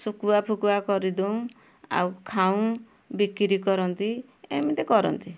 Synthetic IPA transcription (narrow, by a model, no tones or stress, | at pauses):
sukuapʰukuakɔɾid̪ew̃ | a̰wkʰaũ | bikiɾikɔɾɔnt̪i | ḛmit̪ekɔɾɔ̰nt̪i